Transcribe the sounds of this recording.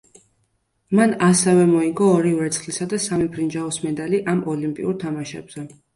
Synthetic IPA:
manasɛvɛmɔiŋɡɔːɾivɛt̪sʰχlisad̪asamipʰɾind͡ʒaɔsmɛd̪aliʔamɔlimpʼḭuɾt̪ʰamaʃɛ̰bz̥ɛ

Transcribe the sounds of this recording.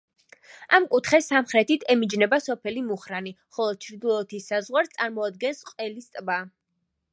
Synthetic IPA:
amkʼut̪ʰχɛsamχɾɛt̪ʰit̪ʰɛmid͡ʒnɛbasɔpʰɛlimuχɾani | χɔlˠɔd̪̚t͡ʃʰɾd̪ulˠɔt̪ʰisːazʁwaɾst̪sʼaɾmɔad̪̚ɡɛnsqʼɛlist̪ʼba

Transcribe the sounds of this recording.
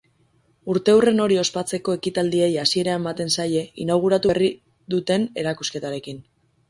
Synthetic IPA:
uɾt̪e̞ure̞no̞ɾio̞spat͡se̞ko̞e̞kit̪ald̪ie̞jasie̞ɾeamːat̪e̞nsaje̞inaɣ̞uɾat̪uri | ðut̪e̞ne̞ɾakuske̞t̪aɾe̞kin

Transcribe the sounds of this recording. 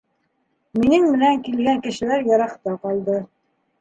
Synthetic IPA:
minɘŋmɘ̆næŋkilɡæŋkɘ̆ʃɘ̆læɾjɑɾɑqt̪ɑqɑlˠd̪ɤ

